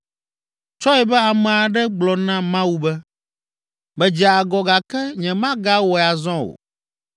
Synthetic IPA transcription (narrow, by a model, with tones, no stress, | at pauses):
t͡ʃɔ˦ɛ˨bɛ˦a˨mɛ̃˨a˨ɖɛ˦ɡ͡blɔ˨nã˦mã˦wu˨bɛ˦ | bɛ˨d͡ʒi˨a˨a˨ɡɔ˨ɡa˨kɛ˦ɲɛ̃˨mã˦ɡa˦wɔ˨a˨zɔ̃˦wo̰˨